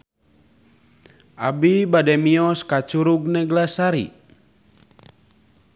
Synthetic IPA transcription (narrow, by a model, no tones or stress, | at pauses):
a̰bibadɛmiɔskat͡ʃuɾuɡ̚nɛɡlasaɾḭ